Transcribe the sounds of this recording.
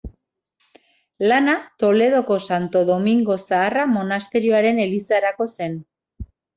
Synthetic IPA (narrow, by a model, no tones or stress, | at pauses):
lanat̪o̞le̞ð̞o̞ko̞sant̪o̞ðo̞miŋɡo̞saːramo̞nast̪e̞ɾioaɾe̞ne̞lisaɾako̞se̞n